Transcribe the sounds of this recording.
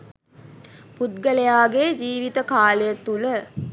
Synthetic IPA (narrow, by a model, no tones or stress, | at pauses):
put̪̚ɡəlejaːɡeːd͡ʒiːʋit̪əkaːlejət̪ːulə